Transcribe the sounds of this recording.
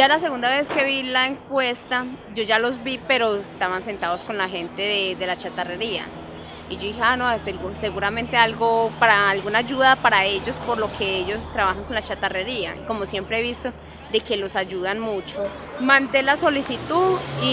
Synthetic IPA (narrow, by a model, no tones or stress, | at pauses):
d͡ʒalas̬e̞ɣund̪aβe̞ske̞βilaeŋkwe̞st̪ad͡ʒo̞ʝalo̞zbipe̞ɾo̞est̪aβanse̞nt̪aðosko̞nlaxe̞nt̪e̞ðeðe̞lat͡ʃat̪are̞ɾia̰ | id͡ʒoiheanoselɡse̞ɣuɾamẽ̞nt̪e̞alɡopaɾaːlɡunad͡ʒuðapaɾae̞d͡ʒo̞spo̞ɾlo̞kʰe̞ed͡ʒo̞st̪ɾaβaxaŋko̞nlat͡ʃat̪are̞ɾia̰iko̞mo̞sje̞mpɾeeβist̪o̞ | d̪e̞ke̞lo̞sad͡ʒuðanmut͡ʃo | mãnt̪e̞laso̞lisit̪uði